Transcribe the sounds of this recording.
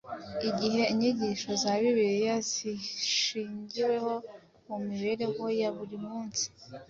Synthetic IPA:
iɟiɦe̞iɲiɟiʃo̞zaβiβiɾijaziʃiːɲɟiwe̞ho̞ | mumiβe̞ɾe̞ho̞jaβuɾimuːnsi̥

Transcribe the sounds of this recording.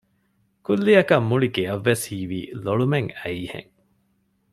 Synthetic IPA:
kulːiɐkɐmːuɭiɡeɐʋːeshiːʋḭːloɭumeŋæiːhḛŋ

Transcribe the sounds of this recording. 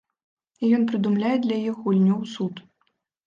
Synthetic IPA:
ijɔnpɾɨd̪umlʲajɛd̪lʲɐjixulʲnʲɔwsut̪

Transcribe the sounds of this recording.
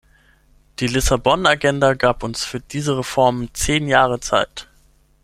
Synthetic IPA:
d̥iːlɪsabɔnaɡɛndaɡaːpʊnsfyːɐdiːzəʁefɔɐmt͡seːnjaːʁət͡sa̰ɪt

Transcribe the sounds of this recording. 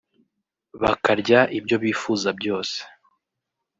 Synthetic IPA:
βakaɾɟaʔibɟo̞βiːfuzabɟo̞ːse̥

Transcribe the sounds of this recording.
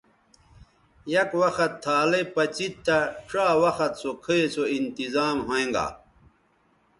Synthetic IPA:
jɐkwɐxɐt̪ʰːaːlepɐt͡ɕit̪ːaʈ͡ʂaːwɐxɐt̪sokʰiesoint̪izaːmɦoẽŋɡa̰ː

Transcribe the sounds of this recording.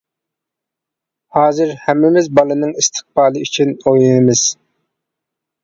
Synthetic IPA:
hɑːzɨɾhɛmːɪmɪzbɑlˠɨnɨŋist̪ʰɨ̥χ̚bɑːlˠɨyt͡ʃʰinojɨnɨmɪz̥

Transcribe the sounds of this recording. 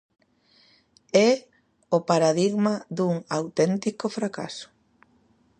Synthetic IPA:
ɛ | ʊpaɾaðiɣmɐðuŋawt̪ɛnt̪ikʊfɾaka̰sʊ̥

